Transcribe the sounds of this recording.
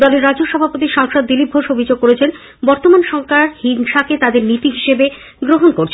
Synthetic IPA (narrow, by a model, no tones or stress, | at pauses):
d̪ɔleɾːad͡ʑoʃɔbʱapot̪iʃaŋʃod̪ːilip̚oʃobʱid͡ʑoɡ̚koɾet͡ɕʰen | bɔɾt̪omanʃɔŋkaɾhinʃaket̪ad̪eɾnit̪iɦiʃebe | ɡɾoɦonkoɾt͡ɕʰ